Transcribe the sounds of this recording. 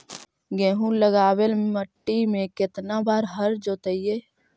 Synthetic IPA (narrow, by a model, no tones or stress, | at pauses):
ɡẽːɦũləɡaːwelməʈːimẽkɪt̪nabaːɾɦəɾd͡ʒoːt̪əije